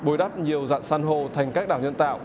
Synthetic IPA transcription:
ɓo˨˧˦jɗa˦˥p̚ɲi˨˩əwza̰ː˧˨nsaː˧nɦo˧˩t̪ʰa˨˩jŋ̟kaː˦˥k̚ɗaː˧˩wɲə̰˧˨nt̪a̰ː˧˨wʔ

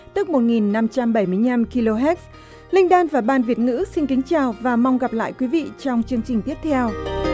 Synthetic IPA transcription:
t̪ɨ˦˥k̚mo˨˩t̚ŋi˨˩nːa˧mt͡ɕa˧mɓə˧˩jmɨ˧əjna˧mki˧lo˧ɦɛ˦˥t̚s | lï˧ŋ̟ɗaː˧nvaː˨˩ɓaː˨˧˩nvi˨˩ət̚ŋɨ̰˧˥si˧nkï˨˦ŋ̟t͡ɕaː˨˩wvaː˨˩ma˧wŋ͡mɣa˨˩p̚la̰ː˧˨jkwi˨˦vḭ˧˨t͡ɕɔ˧wŋ͡mt͡ɕɨ˧əŋt͡ɕï˨˩ŋ̟t̪i˦˥əp̚t̪ʰɛ˧w

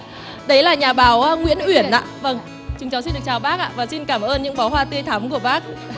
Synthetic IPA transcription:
ɗə˨˦jlaː˨˩ɲaː˨˩ɓaː˨˦wŋwḭ˧˥ənʔwi˧˩ənʔa̰ː˧˨və˧ŋ | t͡ɕɨ˨˦ŋt͡ɕaː˨˦wsi˧nɗɨ˨˩ət͡ɕaː˨˩wɓaː˦˥k̚ʔa̰ː˧˨vaː˨˩si˧nkaː˧˩mʔəː˧nɲɨ̰˧˥ŋfɔ˨˦ɦwaː˧t̪i˧əjt̪ʰaː˨˦mku˧˩əɓaː˦˥k̚

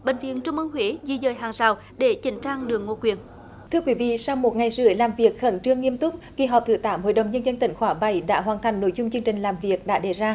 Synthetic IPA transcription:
ɓḛ˧˨ŋ̟vḭ˧˨ənt͡ɕʊ˧ŋ͡mʔə˧ŋhwe˨˦zi˧˩zəː˨˩jɦaː˨˩ŋsaː˨˩w | ɗe˧˩t͡ɕï˨˦ŋ̟t͡ɕaː˧ŋɗɨ˨˩əŋːo˧˩kwi˨˩ən | t̪ʰɨ˧əkwi˨˦vḭ˧˨sa˧wmo˨˩t̚ŋa˨˩jzɨ̰˧˩əjlaː˨˩mvi˨˩ək̚xə˧˩nt͡ɕɨ˧əŋːi˧əmt̪ʊ˦˥k͡p̚ɣi˧˩ɦɔː˨˩p̚t̪ʰɨ̰˧˩t̪aː˨˦mɦo̰˧˨jɗə˨˩wŋ͡mɲə˧nzə˧nt̪ï˧˩ŋ̟xwaː˧˩ɓa˧˩jɗa̰ː˧˥ɦwaː˨˩nt̪ʰa˨˩jŋ̟no˧˥jzʊ˧ŋ͡mt͡ɕɨ˧əŋt͡ɕï˨˩ŋ̟laː˨˩mvi˨˩ək̚ɗa̰ː˧˥ɗe˧˩zaː˧

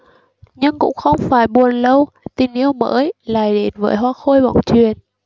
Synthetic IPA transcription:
ɲɨ˧ŋkʊ̰˧˥ŋ͡mxə˧wŋ͡mfaː˧˩jɓu˨˩ənlə˧w | t̪i˨˩nʔi˧əwmə̰ː˧˥jla̰ː˨˩jɗe˨˦nvəː˨˦jɦwaː˧xo˧jɓɔ̰˧˩˨ŋ͡mt͡ɕwi˨˩ən

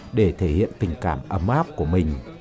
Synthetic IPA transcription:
ɗe˧˩t̪ʰe˧˩hḭ˧˨ənt̪ï˨˩ŋ̟ka̰ː˧˩mʔə˧mʔaː˦˥p̚ku˧˩əmï˨˩ŋ̟

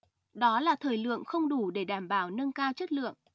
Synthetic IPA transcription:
ɗɔ˨˦laː˨˩t̪ʰəː˨˩jlɨ̰˧˨əŋxə˧wŋ͡mɗu˧˩ɗe˧˩ɗaː˧˩mɓaː˧˩wnə˧nkaː˧wt͡ɕə˦˥t̚lɨ̰˧˨əŋʔ

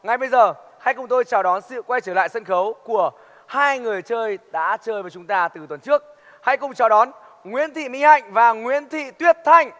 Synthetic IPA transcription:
ŋa˨˩jɓə˧jzəː˨˩ha˧jkʊ˨˩ŋ͡mt̪o˧jt͡ɕaː˨˩wɗɔ˨˦nsɨ̰˧˨kwa˧jt͡ɕəː˧˩la̰ː˧˨sə˧nxə˨˦wku˧˩ə | haː˧jŋɨ˨˩əjt͡ɕəː˧jɗa̰ː˧˥t͡ɕəː˧jvaː˨˩t͡ɕʊ˨˦ŋ͡mt̪aː˧t̪ɨ˨˩t̪wə˨˩nt͡ɕɨ˦˥ək̚ | ha˧jkʊ˨˩ŋ͡mt͡ɕɔ˧˨˩ɗɔ˨˦n | ŋwḭ˧˥ənt̪ʰḭ˧˨mï˧ŋha̰˧˨jŋ̟vaː˨˩ŋwḭ˧˥ənt̪ʰḭ˧˨t̪wi˦˥əp̚t̪ʰa˧jŋ̟

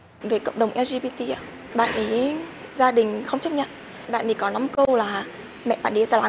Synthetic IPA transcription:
ve˨˩kə̰˧˨wŋ͡mɗə˨˩wŋ͡mʔɛ˧zi˧ɓi˧t̪i˧ʔaː˨˦ | ɓa̰ː˧˨nʔi˨˦ | zaː˧ɗï˨˩ŋ̟xə˧wŋ͡mt͡ɕə˦˥k͡p̚ɲa̰˧˨n | ɓa̰ː˧˨nt̪i˨˩kɔ˨˦na˨˦mkə˧wlaː˨˩ | mɛ̰˧˨ʔɓa̰ː˧˨nʔi˨˦zaː˧˩la˨˦

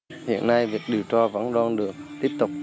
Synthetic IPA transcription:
hḭ˧˨ənːa˧jvi˨˩ək̚ɗi˨˩əwt͡ɕɔ˧və̰˧˥nɗɔː˧nɗɨ˨˩ək̚t̪i˦˥əp̚t̪ʊ˨˩k͡p̚

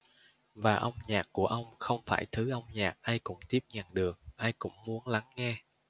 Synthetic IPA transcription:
vaː˨˩ʔə˧wŋ͡mɲaː˨˩k̚kːu˧˩əʔə˧wŋ͡mxə˧wŋ͡mfaː˧˩jt̪ʰɨ˨˦ʔə˧wŋ͡mɲaː˨˩k̚ʔaː˧jkʊ̰˧˥ŋ͡mt̪i˦˥əp̚ɲa˨˩nɗɨ˨˩ək̚ʔaː˧jkʊ̰˧˥ŋ͡mmu˨˦ənla˨˦ŋːɛ˧

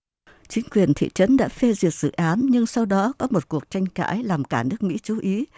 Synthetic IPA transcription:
t͡ɕï˨˦ŋ̟kwi˨˩ənt̪ʰḭ˧˨t͡ɕə˨˦nɗa̰ː˧˥fe˧zi˨˩ət̚zɨ̰˧˨ʔaː˨˦nɲɨ˧ŋsa˧wɗɔ˨˦kɔ˨˦mo˨˩t̚ku˨˩ək̚t͡ɕa˧jŋ̟ka̰ː˧˥jlaː˨˩mkaː˧˩nɨ˦˥ək̚mḭ˧˥t͡ɕu˨˦ʔi˨˦

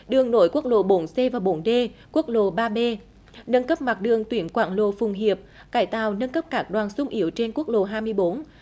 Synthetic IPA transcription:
ɗɨ˨˩əŋno̰˧˦jku˦˥ək̚lo̰˧˨˩ɓo˨˦nse˧vaː˨˩wɓo˨˦nɗe˧ku˦˥ək̚lo̰˧˨ɓaː˧ɓe˧ | nə˧nkə˦˥p̚ma˨˩t̚ɗɨ˨˩əŋt̪wi˧˩˦ənkwaː˧˩nlo̰˧˩fʊ˨˩ŋ͡mɦi˨˩əp̚ | kaː˧˩jt̪a̰ː˨wnə˧nkə˦˥p̚kaː˦˥k̚ɗwaː˨˩nsʊ˧ŋ͡mʔi˧˩˦əwt͡ɕe˧nku˦˥ək̚lo̰˧˨ɦaː˧jmɨ˧əjɓo˨˦n

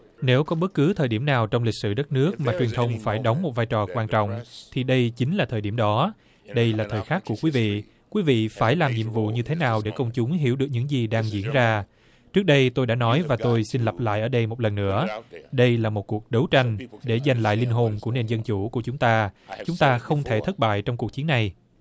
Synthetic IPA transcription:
ne˨˦wkɔ˨˦ɓə˦˥t̚kɨ˨˦t̪ʰəː˨˩jɗi˧˩əmnaː˨˩wt͡ɕɔ˧wŋ͡mlï˨˩k̚sɨ̰˧˩ɗə˦˥t̚nɨ˦˥ək̚maː˨˩t͡ɕwi˨˩ənt̪ʰə˧wŋ͡mfaː˧˩jɗə˨˦wŋ͡mmo˨˩t̚vaː˧jt͡ɕɔ˨˩kwaː˧nt͡ɕɔ̰˧˨wŋ͡mt̪ʰi˨˩ɗə˧jt͡ɕi˨˦ŋ̟laː˨˩t̪ʰəː˨˩ɗi˧˩əmɗɔ˨˦ | ɗə˧jlaː˨˩t̪ʰəː˨˩jxaː˦˥k̚ːu˧˩əkwi˨˦vḭ˧˨ | kwi˨˦vḭ˧˨faː˧˩jlaː˨˩mɲḭ˧˨əmvṵ˧˨ɲɨ˧t̪ʰe˨˦naː˨˩wɗe˧˩kə˧wŋ͡mt͡ɕʊ˨˦ŋ͡mɦi˧˩əwɗɨ˨˩ək̚ɲɨ̰˧˥ŋzi˨˩ɗaː˧ŋzḭ˧˩ənzaː˧ | t͡ɕɨ˦˥k̚ɗə˧jt̪o˧jɗa̰ː˧˥nɔ˨˦jvaː˨˩t̪o˧jsi˧nlə˨˩p̚la̰ː˧˨jʔəː˧˩ɗə˧jmo˨˩t̚lə˨˩nːɨ̰˧˥əɗə˧jlaː˨˩mo˨˩t̚ku˨˩ək̚ɗə˨˦wt͡ɕa˧jŋ̟ɗe˧˩za˨˩jŋ̟la̰ː˧˨jli˧ŋɦo˨˩nku˧˩əne˨˧˩nzə˧nt͡ɕu˧˩ku˧˩ət͡ɕʊ˨˦ŋ͡mt̪aː˧t͡ɕʊ˨˦ŋ͡mt̪aː˧xə˧wŋ͡mt̪ʰe˧˩t̪ʰə˦˥t̚ɓa̰ː˧˨jt͡ɕɔ˧wŋ͡mku˨˩ək̚t͡ɕi˨˦nːa˨˩j

